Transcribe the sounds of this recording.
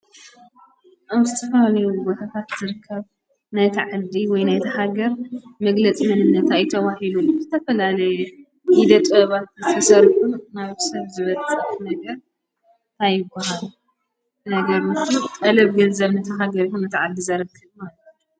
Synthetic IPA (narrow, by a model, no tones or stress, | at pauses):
ʔaβzɨt̪ʰɐfɐlalɐjubo̞t̪ʰat̪ʰat̪z̥ɨɾɨkʰːɐβ | najt̪ʰiʕad̪iwɔjnajt̪ʰɐɦaɡɐɾmɐɡlɐt͡sʼimɨnɨnːɐt̪ʰajɪt̪ʰɐwahiluzɨt̪ʰɐfɐlalɐj | id̪ɐt̪ʼɐβat̪zɨt̪ʰɐsɐɾħunaβsɐβzɨβɐt͡sʼt̪nɐɡɐɾ | t̪ʰajːɪbːahalu | nɐɡɐɾɨt̪ʼɐlɐβɡɐnzɐβnɐt̪ʰɐɦaɡɐɾihunɨt̪ʰiʕad̪ːizɐɾɨkʰːɨβmalɐt̪u